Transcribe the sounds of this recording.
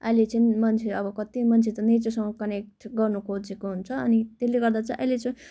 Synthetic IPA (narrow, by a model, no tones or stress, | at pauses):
ʌ̰jlet͡sʌĩmʌnt͡sʰeʌbʌkʌt̪imʌnt͡sʰet̪ʌnet͡sosʌŋʌkʌnek̚ʈɡʌrnukʰod͡zekoɦunt͡sʰʌ̰ːnit̪eleɡʌrd̪at͡sʌ̃ĩʔʌ̰jlet͡sʌĩ